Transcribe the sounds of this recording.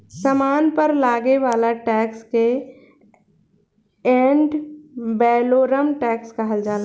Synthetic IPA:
səmaːnpəɾlaːɡeʋaːlaʈɛːkske | ɛɳɖbɛːloːɾəmʈɛːkskaɦəld͡ʒaːla

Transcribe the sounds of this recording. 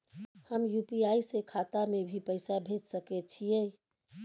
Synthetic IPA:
həmjupiaisekʰat̪amebʱipəɪsabʱed͡ʒsəkɛt͡ʃʰije

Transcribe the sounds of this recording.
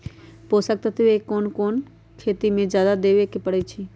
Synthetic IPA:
poːsək̚t̪ət̪ʋekoːnkoːn | kʰeːt̪imẽd͡ʒjaːd̪ad̪eːʋekepəɽet͡ʃʰi

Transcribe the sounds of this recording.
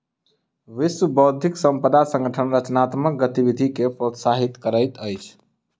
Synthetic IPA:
ʋiswəbɔːd̪ʱiksə̃mpəd̪asə̃ŋɡəʈʰənɾət͡ʃnat̪mək̚ɡət̪iʋid̪ʱikepɾot̪saɦit̪kəɾəjt̪əjt͡ʃʰ

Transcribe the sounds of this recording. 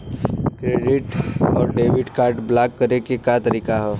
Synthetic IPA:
kɾeːɖɪʈɔːɾɖeːʋɪɖkaːɾɖblaːkːəɾekekat̪əɾiːkaɦɛː

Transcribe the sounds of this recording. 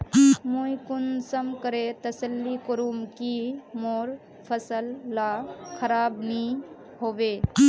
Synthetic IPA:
mujkunsəmkəɾet̪əsəlːikəɾumkimoɾ | pʰəsəlːakʰəɾabni | hobe

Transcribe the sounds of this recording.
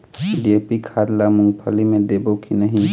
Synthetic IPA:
ɖepikʰaɾlamũŋɡpʰəlimẽd̪ebokinəɦĩ

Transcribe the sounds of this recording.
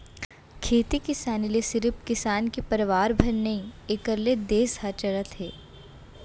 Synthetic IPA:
kʰeːt̪ikɪsaːniliesɪɾpkɪsaːnkipɐɾʋaːɾbʱɐnnɐɦĩekəɾled̪eːshaːt͡ʃəɾət̪ɦeː

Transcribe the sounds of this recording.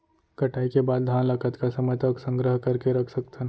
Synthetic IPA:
kɐʈaːikebaːd̪̚d̪ʱãːnləkət̪kasɐməjt̪aksə̃ŋɡɾəɦkɐɾkeɾɐkʰsɐkt̪ʰən

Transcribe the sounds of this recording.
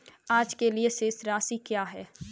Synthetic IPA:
aːd͡ʒkelieseːsɾaːsikjaːɦɛː

